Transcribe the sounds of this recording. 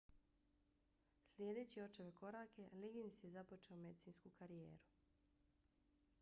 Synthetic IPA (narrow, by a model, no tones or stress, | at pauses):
slʲjeːd̪e̞ːt͡ɕio̞t͡ʃeʋeko̞ɾaːkeliɡinsje̞zapo̞t͡ʃeome̞d̪it̪iːnskukaɾijeːɾu̥